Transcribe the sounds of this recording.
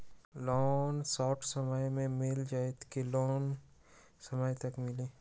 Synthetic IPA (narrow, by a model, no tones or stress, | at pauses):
lɔːnsɔːʈʰsɐməjmẽmɪld͡ʒaːet̪ʰkilɔːn | sɐməjt̪ɐkmɪleː